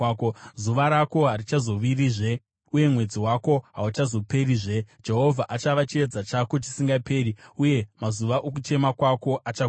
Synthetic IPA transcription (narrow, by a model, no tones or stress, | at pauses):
kozuʋaɾako̞ɦarit͡ʃazo̞ʋiriʐe̞ | uje̞mwe̞d͡ziwako̞ɦaut͡ʃazo̞pe̞riʐe̞d͡ʒe̞ɦo̞vʱaʔat͡ʃaʋat͡ʃied͡zat͡ʃako̞t͡ʃi̥siŋɡape̞ːriuje̞mazuʋaʔok̬ut͡ʃe̞makwako̞ʔat͡ʃa